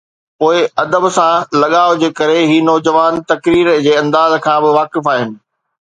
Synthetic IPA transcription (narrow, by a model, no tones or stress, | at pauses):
poːɪɐd̪əbsãlɐɠaːʊd͡ʑeːkɐɾeɦiːnɔːd͡ʑəʋaːnt̪ɐkɾiːɾd͡ʑeːɐ̃nd̪aːzkʰãːbɪʋaːkɪfaːɦɪnɪ̆